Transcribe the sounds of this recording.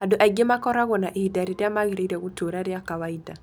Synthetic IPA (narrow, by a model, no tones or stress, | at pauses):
aduʔaiɡemakɔɾaɣɔnaʔiidaɾiɾiamaɣiɾiɾaɣutoɾaɾijakawaida